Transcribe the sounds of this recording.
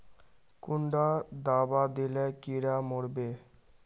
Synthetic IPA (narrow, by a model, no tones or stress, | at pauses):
kuɳɖad̪abad̪ilekiɽamoɽbe